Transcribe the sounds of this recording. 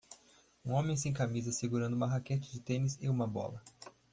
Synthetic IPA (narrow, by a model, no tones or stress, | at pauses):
ũõmẽj̃s̬ẽj̃kamizɐseɡuɾɐ̃nd̪ʊũmɐɦaket͡ʃɪd͡ʒɪt̪ẽnɪsɪũmɐbɔ̰lɐ